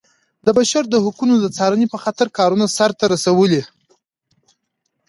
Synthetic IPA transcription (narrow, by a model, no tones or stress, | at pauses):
d̪əbaʃaɾd̪əhʊkunod̪ət͡sɑɾanipəxat̪aɾkɑɾunasaɾt̪aɾasawəli